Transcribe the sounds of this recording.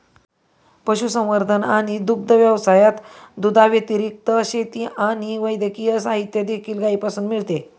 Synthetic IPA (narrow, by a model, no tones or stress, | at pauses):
pəɕusə̃w̃ʋəɾd̪ʱənaɽ̃id̪uk̚d̪ʱəʋjəʋsajat̪d̪ud̪ʱaʋjət̪iɾik̚t̪əɕet̪iaɽ̃iʋəjd̪əkijəsaɦit̪jəd̪ekʰiːlɡaipasuːnmiɭt̪e